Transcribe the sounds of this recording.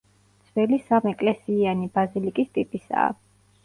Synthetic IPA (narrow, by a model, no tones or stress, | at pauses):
d̪sʰvɛlisamɛkʼlɛsianibazilikʼist̪ʼipʼisa̰ː